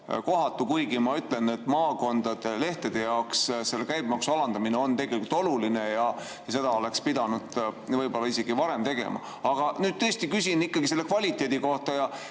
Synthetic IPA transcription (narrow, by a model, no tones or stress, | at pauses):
ko̞ɦɑt̪ːˑukujɡimɑyt̪ˑle̞net̪ːˑmɑːko̞nd̪̥ɑd̪̥e̞le̞ht̪ed̪̥e̞jɑoksse̞lːekæjb̚mɑksuɑlɑnd̪̥ɑmineo̞nt̪e̞ɡe̞likult̪o̞lulinejɑ | jɑse̞d̪ɑo̞le̞kspid̪ɑnud̪̥vɤjbo̞lːɑise̞ɡ̥ivɑɾe̞mt̪e̞ɡ̥e̞̰mʔɑ̰ | ɑɡ̥ɑnyːd̪̥̚t̪ɤ̞ːst̪ikysʲinikːˑɑɡ̥ise̞lːe̞kvɑlʲit̪ːˑe̞ːd̪̥iko̞ht̪ɑjɑ